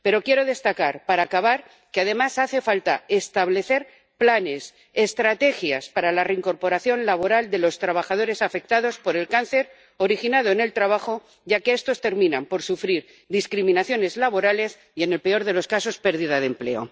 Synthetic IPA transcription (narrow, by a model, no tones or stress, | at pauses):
pe̞ɾo̞kje̞ɾo̞ðe̞st̪akaɾpaɾaːkaβaɾ | keað̞e̞masaθe̞falt̪ae̞st̪aβle̞θe̞ɾ | plane̞s | e̞st̪ɾat̪e̞xjaspaɾalareiŋko̞ɾpo̞ɾaθjo̞nlaβ̞o̞ɾald̪e̞lo̞st̪ɾaβ̞axaðo̞ɾe̞safe̞k̚t̪að̞ospo̞ɾe̞lkan̟θe̞ɾ | o̞ɾixinað̞o̞ene̞lt̪ɾaβ̞axo̞ | ɟ͡ʝake̞est̪o̞st̪e̞ɾmĩnampo̞ɾsufɾiɾ | ðiskɾimĩnaθjo̞ne̞zlaβo̞ɾale̞s | ie̞ne̞lpe̞o̞ɾð̞e̞lo̞skaso̞spe̞ɾð̞iðaðemple̞̰o̞̰